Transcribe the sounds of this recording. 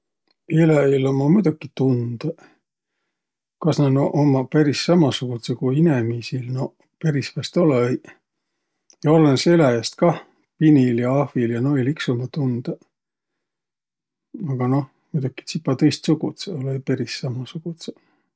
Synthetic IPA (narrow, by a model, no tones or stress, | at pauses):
elɑilomɑmujd̪̥ukːˑit̪und̪̥ɑ | kɑsnɑnʔomɑpæɾisːɑmɑsukut̪sekuinemisilno | peɾisvæst̪oleej | jɑolenselæest̪̚kɑ | piniljɑɑhviljɑnoeliksomɑt̪und̪̥ɑ | ɑɡ̥ɑno̞h | mujd̪ukːˑi̥t̪sipːˑɑt̪ɤjst̪suɡut̪seolejpæɾisːɑmɑsuɡ̥ut̪se